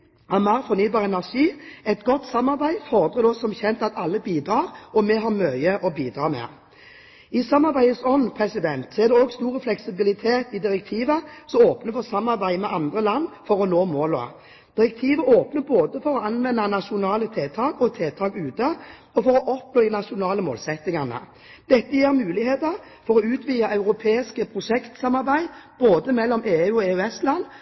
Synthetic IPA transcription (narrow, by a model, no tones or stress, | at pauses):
ɛmæʁfɔɾnyːbɑːʁəɛnæʁʂiːɛt̪ɡɔt̪ːsɑmːɑʁbæɪfɔʁd̪ʁəd̪ɔsɔmçɛnt̪ɑt̪ɑlːəbiːd̪ɾɑːʁɔmɛɦɑʁmœʏəʔɔbiːd̪ɾɑːmɛ̰ | ɪsɑmːɑɾbæɪəsɔnːpʰʁɛsɪd̪ɛnt̪sɔɛʁd̪ɛɔɡst̪uːʁəflɛksɪbɪlɪt̪ʰeːt̪ɪd̪ɪɾɛk̚t̪ʰiːʋəsɔmoːpnəfɔsɑmːɑʁbæɪmɛʔɑnd̪ʁəlɑnːfɔɾɔnoːmoːlʊɑ̰ | d̪̥ɪʁɛk̚t̪ʰiːʋəʔoːpnəboːd̪əfɔɾɔɑnʋɛnːɑnɑʂʊnɑːlət̪ʰeːt̪ʰɑːkɔt̪ʰeːt̪ʰɑːkʉːt̪ə | ɔfɔɾɔʔɔpnoːd̪ɪnɑʂʊnɑːləmo̰ːlsɛt̪ːɪŋɑnə̰ | d̪̥ɛt̪ːəjiːɾmʉːlɪheːt̪əɾ | fɔɾɔʉːt̪ʰʋiːɑʔɑʉɾʊpʰeːɪskəpʰɾʊʂɛkt̪sɑmɑɾbæɪb̥oːd̪əmɛlːɔmʔeːʉːɔeːʉɛslɑnː